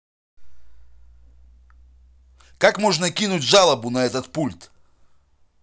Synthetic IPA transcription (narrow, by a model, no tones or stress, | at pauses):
kakmoʐnəkʲinʊtʲʐalˠəbʊnɐɛt̪ət̪pulʲt̪